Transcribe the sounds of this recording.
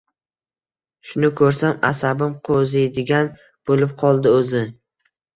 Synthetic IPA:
ʃʊnɪkʰɵɾsamasabɪmqʰozɪd̪ɪɡʲan | b̥olɪp̚qʰɒlˠd̪ɪɵzɪ

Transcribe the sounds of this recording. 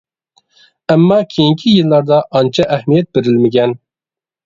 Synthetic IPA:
ɛmːɑkʲʰejiŋkʲʰijɨlˠːɑɾd̪ɑʔɑnt͡ʃʰɑʔɛhmijɛt̪̚beɾɪlmɪɡʲɛn

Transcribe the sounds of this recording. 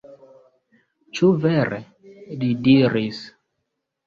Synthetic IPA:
t͡ʃuvɛɾḛ | lidiɾis

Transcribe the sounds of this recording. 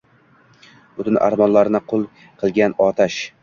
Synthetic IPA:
b̥ʊt̪ɪnʔa̰ɾmɒnlaɾnɪqʰolˠ | qʰɨlˠɡʲanɒt̪ʰaʃ

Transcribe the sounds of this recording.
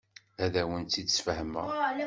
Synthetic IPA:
æðæwənt̪ːid̪sfəhəmə̰

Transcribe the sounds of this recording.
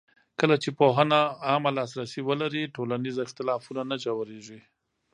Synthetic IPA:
kəlat͡ʃepoɦənaːmalɑs̬ɾasiwəlaɾiʈolanizɪxt̪ɪlɑfunanad͡ʒawaɾeʒi

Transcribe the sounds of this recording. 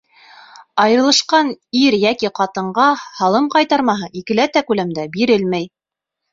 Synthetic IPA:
ɑjɤ̆ɾɤ̆lˠɤ̆ʃqɑniɾjækiqɑt̪ɤ̆ɴɢɑhɑlˠɤmqɑjt̪ɑɾmɑɦɤʔikɘ̆læt̪ækʉlæmd̪æbiɾɘlmæj

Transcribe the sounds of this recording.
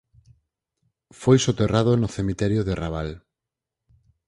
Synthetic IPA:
fojsot̪erað̞onʊθemit̪ɛɾjoðeraβ̞al

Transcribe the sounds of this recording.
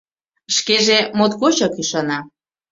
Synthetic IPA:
ʃkeʒemot̪ɣot͡ɕɑkyʃɑnɑ

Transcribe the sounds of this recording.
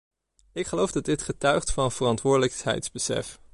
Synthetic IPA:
ɪkχəlowvdɑdɪtχətœɥχtfɑnv̥ərɑntʋʊːɹdələksɦɛ̰jtzbəsɛ̰f

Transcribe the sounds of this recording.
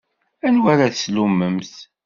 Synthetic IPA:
ænwæɾaθslumːəmθ

